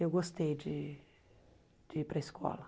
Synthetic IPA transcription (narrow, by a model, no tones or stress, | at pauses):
ewɡost̪ejd͡ʒɪ | d͡ʒɪipɾɐɪskʰɔ̰lɐ